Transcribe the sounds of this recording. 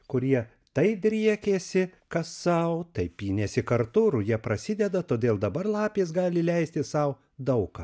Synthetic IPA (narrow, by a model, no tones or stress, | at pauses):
kʊɾʲiɛ | t̪ɐɪd̪ʲɾʲiɛkʲeːsʲɪkɐssɐʊt̪ɐɪpjiːnʲɛsʲɪkɐɾt̪ʊɾʊjiɛpɾɐsʲɪd̪ʲɛd̪ɐt̪oːd̪ʲeːlˠd̪ɐbɐɾlˠɑːpʲeːsɡɑːlʲɪlʲɛɪst̪ʲɪsɐʊ | d̪ɐʊkɑ